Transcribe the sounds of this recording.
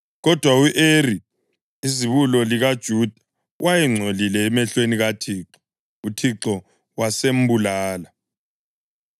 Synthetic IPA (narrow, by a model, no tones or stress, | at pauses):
ɣɔd̥ʱwauʔeri | iziβulɔliɣad̥ʒ̥ʱuːd̥ʱa | wʔajɛŋ͡ǀʱolilɛːmɛɬweniɣatʰiːǁɔ̥ | utʰiǁɔ | wasem̩bulaːla